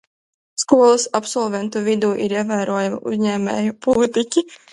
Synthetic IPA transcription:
skuɔlˠɨsapsɔlˠvʲɛnt̪uvid̪uːʔiɾiɛvæːɾuɔjamɐ̰ʔṵzʲɲɛːmʲɛ̰ːjupɔlˠit̪ikʲi

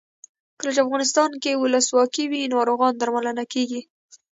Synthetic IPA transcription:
kəlat͡ʃeafɣɑnɪs̬t̪ɑnkewʊləswɑkiwinoaɾoɣɑnd̪aɾmalənakeɡi

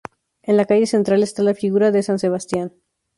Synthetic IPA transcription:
enlakaʝe̞se̞nt̪ɾale̞st̪alafiɣuɾaðe̞sanse̞β̞ast̪jan

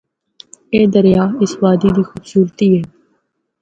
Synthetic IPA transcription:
eːd̪əɾjaːɪsʋaːd̪iːd̪iːxʊbsuːlt̪iːɦɛː

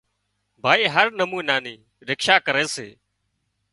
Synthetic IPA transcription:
bʱaːiːɦəɾnəmũːnaːniː | ɾɪkʃaːkəɾeːsḛː

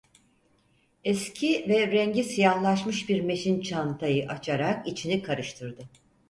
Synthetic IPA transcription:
ɛscʰivɛɾɛɲɟisijahlˠaʃmɯʃbiɾme̞ʃint͡ʃʰant̪ʰajɯʔat͡ʃʰaɾakit͡ʃʰinikʰaɾɯʃt̪ʰɯɾd̪ɯ

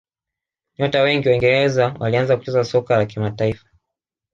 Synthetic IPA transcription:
ɲɔtawɛŋɡiwaiŋɡɛɾɛzawʔalianzaku̥t͡ʃɛzasɔkalakimataifḁ

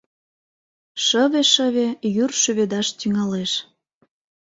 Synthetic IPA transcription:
ʃəβeʃəβejyrʃyβed̪ɑʃt̪yŋɑleʃ

